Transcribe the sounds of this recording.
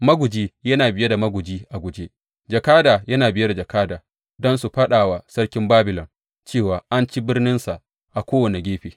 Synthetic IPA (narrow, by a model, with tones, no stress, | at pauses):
mɐ˦ɡʷʊ˨d͡ʒiː˦jɐ˦naː˨bɪ˨je˦da˨mɐ˦ɡʷʊ˨d͡ʒiː˦ʔa˨ɡʷʊ˨d͡ʒe˦ | d͡ʒɐ˨kaː˦daː˨jɐ˦naː˨bɪ˨je˦da˨d͡ʒɐ˨kaː˦daː˨ | dɔ˦nsu˨ɸɐ˦ɗaː˨wa˨sɐ˦rkʲɪ˦mbaː˦bɪ˨lɔ˨n | t͡ʃeː˦˨waː˨ʔa˦nt͡ʃi˦bɪ˦rnɪ˦nsa˨ʔ | ʔa˨kʷoː˦wɐ˨ne˨ɡʲeː˦ɸeː˨